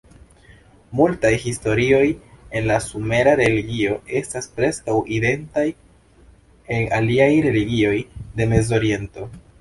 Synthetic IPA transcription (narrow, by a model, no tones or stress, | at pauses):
multajhisto̞ɾio̞je̞nlasume̞ɾaɾe̞liɡio̞ʔe̞staspɾe̞skawʔide̞ntaj | eŋaliajɾe̞liɡio̞jde̞me̞zo̞ɾie̞nto̞